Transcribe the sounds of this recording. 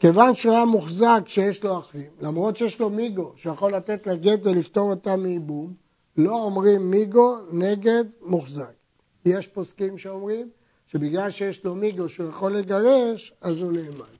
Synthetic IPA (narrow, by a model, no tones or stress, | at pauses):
ke̞vanʃuajamuχzakʃejeʃlo̞aχimlamʁo̞tʃejeʃlo̞miɡo̞ʃejaχo̞lːat̪e̞t̪laɡe̞t̪velift̪o̞ʁot̪amːiːbum | lo̞omʁimːiɡo̞ne̞ɡe̞d̪muχzak | je̞ʃposkimʃeomʁim | ʃe̞biɡlalʃejeʃlo̞miɡo̞ʃeujaχo̞lːeɡaʁe̞ʃazuneːman